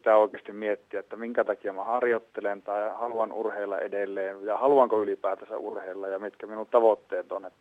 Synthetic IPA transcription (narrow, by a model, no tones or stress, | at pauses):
t̪æoˑekˑeːst̪immiet̪ːiæet̪ːæmiŋkæt̪ɑkiæmæhɑrjot̪ːelent̪ɑihɑluɑnʔṵrheilːɑ̰ʔḛdelːeːnjɑhɑluɑŋkoylipæːt̪æsæ̰ʔṵrheilːɑjɑmit̪kæminut̪ɑʋot̪ːeːt̪onet̪ːæ